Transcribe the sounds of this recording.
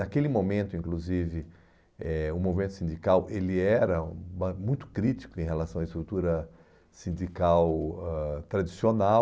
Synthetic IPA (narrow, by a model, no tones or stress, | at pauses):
akelɪmõmẽnt̪ʊĩkluzivɪ | ɛʊmovimẽnʊsĩd͡ʒ̪ikawʔelɪɛɾɐbɐmũj̃t̪ʊ̥kɾit͡ʃ̪i̥kʊẽɦelasɐ̃w̃ɐɪist̪ɾut̪uɾɐ | sĩd͡ʒikawɛt̪ɾad͡ʒisiona